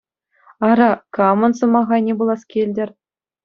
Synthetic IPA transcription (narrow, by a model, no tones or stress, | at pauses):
ɑɾɑkɑmɤ̆nsɤ̆mɑʁɑnʲebulˠɑskʲelʲdʲɘ̆rʲ